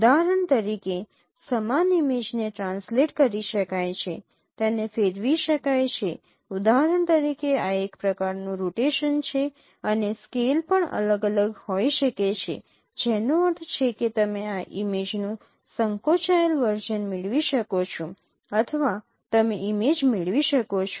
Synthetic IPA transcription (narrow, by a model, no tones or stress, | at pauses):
d̪aɦɾəɳt̪əɾike | səmanimed͡ʒneʈɾãnsleʈkəɾiʃəkajt͡ʃʰe | t̪enefeɾʋiʃəkajt͡ʃʰe | ud̪aɦɾəɳt̪əɾikeaekpɾəkaɾnũɾoʈeʃənt͡ʃʰe | əneskelpəɳə̰ləɡələɡhoiʃəket͡ʃʰḛ | d͡ʒɛnoət̪ʰt͡ʃʰeket̪əmeaʔimed͡ʒnũ | səŋkoʃajəlʋəɾd͡ʒənmɪɭʋiʃəkot͡ʃʰõ | ət̪ʰəʋa | t̪əmeʔimed͡ʒmɪɭʋiʃəkot͡ʃʰo̥